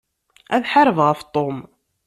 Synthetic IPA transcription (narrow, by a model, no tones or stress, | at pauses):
æðħəɾˤvʁəft̪ˤom